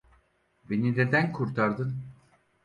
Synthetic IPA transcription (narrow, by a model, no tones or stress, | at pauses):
benined̪ænkʰuɾt̪ʰaɾd̪ɯn